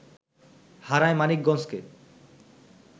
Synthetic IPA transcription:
haɾajmanik̚ɡɔnske

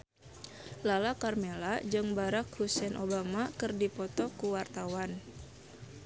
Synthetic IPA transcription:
lalakarmelad͡ʒɨŋbaɾakhusɛnʔobamakɨrdipɔt̪ɔkuwart̪awan

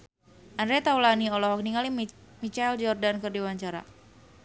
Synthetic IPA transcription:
ʔandɾet̪aulaniɔlɔɦɔk̚niŋali | mit͡ʃald͡ʒɔrdankərdiwaɲt͡ʃaɾa̰

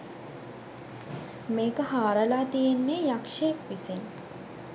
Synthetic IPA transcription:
meːkəhaːɾəlaːt̪ijenːeːjakʂejekʋisen

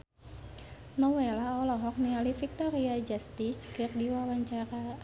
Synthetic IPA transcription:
nɔwelaɔlɔɦɔk̚nialifik̚t̪ɔɾiad͡ʒast̪iskɨrdiwawaɲt͡ʃaɾa

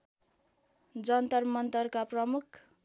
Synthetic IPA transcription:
d͡zʌnt̪ʌrmʌnt̪ʌrkaprʌmukʰ

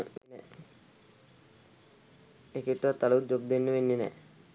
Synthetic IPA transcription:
nɛ | ekeʈːat̪aləud͡ʒobd̪enːəʋenːinɛ̰

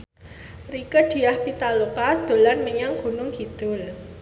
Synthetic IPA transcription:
rikəd̪̥i̤ahpit̪alukad̪̥o̤lanməɲaŋɡ̥unʊŋɡ̥id̪̥ʊl

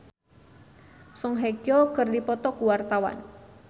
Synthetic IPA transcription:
sɔŋɦekjɔkərdipɔt̪ɔkuwart̪awa̰n

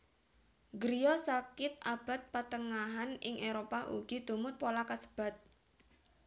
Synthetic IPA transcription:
ɡɾijɔsakɪt̪̚ab̥a̤t̪̚pat̪əŋaɦanɪŋʔeɾopaʔṵɡ̥id̪̥ṳmʊt̪̚polakasə̥b̥a̤t̪̚

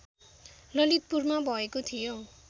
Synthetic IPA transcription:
lʌlit̪̚purmabʱʌekot̪ʰijo

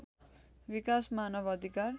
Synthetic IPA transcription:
bikasmanʌbʌd̪ʱikar

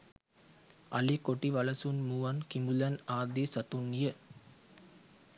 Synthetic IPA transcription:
ɐlikoʈːiʋɐlɐsunmuʋɐnkimulɐnaːd̪isɐt̪unːijɐ

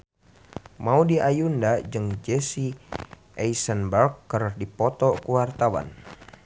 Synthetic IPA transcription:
maudiʔajundad͡ʒɨŋd͡ʒɛsi | ɛisənbakːərdipɔt̪ɔkuwart̪awa̰n

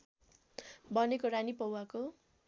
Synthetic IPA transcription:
bʌnekoɾanipʌwako

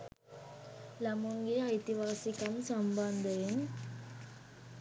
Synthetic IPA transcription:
lɐmuŋɡiɐjt̪iʋaːsikɐmsɐmbɐnd̪ɐʋiŋ

